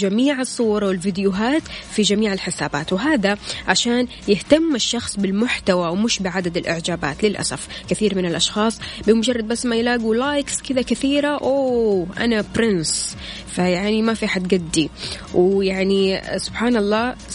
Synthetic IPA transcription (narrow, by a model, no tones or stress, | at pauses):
d͡ʒamiːʕɨsˤːuːɾˤɑwɪlvɪd̪jʊɦaːt̪fid͡ʒamiːʕɪlħɪsaːba̰ːt̪wɦaːðaʕaʃaːn | jɪht̪amːaʃːɑxsˤbɪlmʊħt̪awawmɪʃbɪʕad̪ad̪ɪlʔɪʕd͡ʒaːba̰ːt̪lɪlʔa̰sa̰fkɪθiːɾmɪnɪlʔɑʃxɑːsˤbɪmʊd͡ʒɑrˤːɑd̪̚basːmajlaːɡulaːjkskɪd̪akɪθiːɾaʔoːʔa̰napɾɪns | fajaʕnimafiħad̪ɡad̪ːi | wjaʕnisʊb̥ħaːnɑlˤːɑː